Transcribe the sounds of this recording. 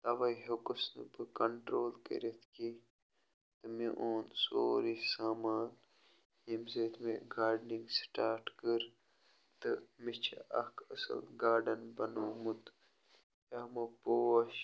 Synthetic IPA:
t̪ɐʋɐjɦokusnɨ̰bɨkɐɳʈɾoːlkə̰ɾet̪ʰki | t̪ɨmeʔoːnsoːɾisaːmaːn | emzeːt̪ʰmeɡaːɾɖniŋɡsʈaːɾʈkəɾ | t̪ɨmit͡ʃʰɐ̰ʔɐkʰɐsɐ̰lɡaːɖɐnbɐnoːmut̪ | jɐmɐpoːɐʃ

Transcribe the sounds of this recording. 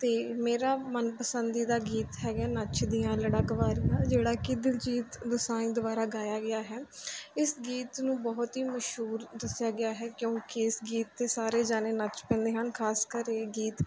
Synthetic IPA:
t̪eːmeːɾaːmənpəsənd̪iːd̪aːɡiːt̪ɦɛːɡaːnət͡ʃʰd̪ijãːləɽaːɡəʋaːɾijãːd͡ʒeːɽaːkɪd̪ɪld͡ʒiːt̪d̪ʊsaːĩːd̪ʊbaːɾaːɡaːjaːɡɪaːɦɛːɪsɡiːt̪nũːbɔːt̪ɦiːməʃɦuːɾd̪əsjaːɡɪaːɦɛːkjõːkɪɪsɡiːt̪ːeːsaːɾeːd͡ʒaːneːnət͡ʃpɛ̃ːnd̪eːɦənkʰaːskəɾeːɡiːt̪

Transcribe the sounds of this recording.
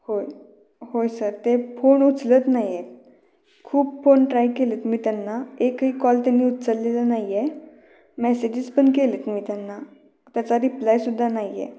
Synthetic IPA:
hoj | hojsəɾt̪efoɳut͡slət̪naje | kʰuːpfoɳʈɾajkelət̪miːt̪janːaekɦikɔlt̪janːiːut̪səlːelanaje | mɛsed͡ʑiːd͡zpəɳkelət̪miːt̪janːa | t̪jat͡saɾiplajsud̪ʱːanajḛ

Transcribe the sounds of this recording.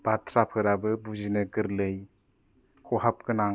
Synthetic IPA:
b̥atʰɾapʰɯɾabɯbuzinɯɡɯɾlɯj | kʰɔɦap̚kɯna

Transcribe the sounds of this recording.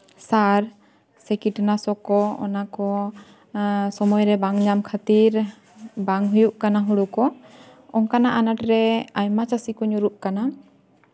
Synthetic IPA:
saɾ | sɛkiʈnasɔkɔɔ̰nakɔ | sɔmɔjɾɛbaŋɲamkʰat̪iɾ | baŋɦujuʔkanaɦuɽukɔɔŋkanaʔanaʈɾɛajmat͡ʃasikɔɲuɾuʔkana

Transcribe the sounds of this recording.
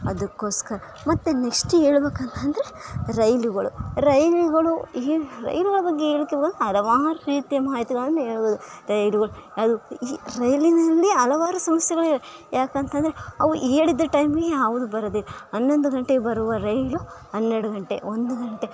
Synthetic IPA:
ɐd̪ɐkːo̞ːskɐɾɐ | mɐt̪ːene̞ksʈe̞ːɭbeːkɐnt̪ɐnd̪ɐɾeɾɐjluɡɐɭuɾɐjluɡɐɭuiːɾɐ̰jluɡɐɭɐbɐɡːeeːɭikːebkɐneɐlɐʋaːɾɐɾiːt̪ijɐmaːɦit̪iɡɐɭɐnːueːɭboːd̪uɾɐjluɡɐɭuɐd̪uiːɾɐjlinɐlːiɐlɐʋaːɾusɐmɐsjɛɡɐɭiejaːkɐnt̪ɐnd̪ɐɾeɐʋuʔeːɽid̪ːɾɐʈɐjmɡejaːʋud̪ubɐɾɐd̪iɦɐnːo̞nd̪uɡɐɳʈebɐɾuʋɐɾɐjluɦɐnːɛɾɽuɡɐɳʈe̞̰o̞nd̪uɡɐɳʈe̞

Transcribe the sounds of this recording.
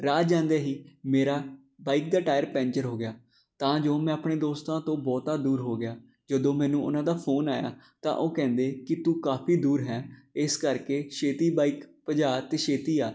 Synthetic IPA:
ɾaːd͡ʒãːnd̪eːɦiːmeːɾaː | baːiːk̚d̪aːʈaːjəɾpɛ̃ːɲt͡ʃəɾɦoːɡɪjaː | t̪ãːd͡ʒoːmɛ̃ːəpɳeːd̪oːst̪ãːt̪õːbɔːt̪aːd̪uːɾɦoːɡɪjaː | d͡ʒəd̪õːmɛ̃ːnũːʔʊ̰nãːd̪aːpʰoːnaːja̰ːt̪ã̰ːʔoːkɛ̃ːnd̪eːkɪt̪uːkaːpʰiːd̪uːɾɦɛːɪskəɾkeːʃeːt̪iːbaːiːkpəd͡ʒaːt̪eːʃeːt̪iːaː

